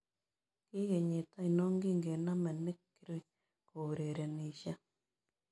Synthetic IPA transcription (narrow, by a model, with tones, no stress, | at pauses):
ki˦je˨ɲe˨ta˦i˨no˦ŋɡi˦ŋɡe˨na˦mɛ˨nɪ˦kːi˦ɾi˦ | ko˨ɾe˨ɾe˨ni˨ʃa˦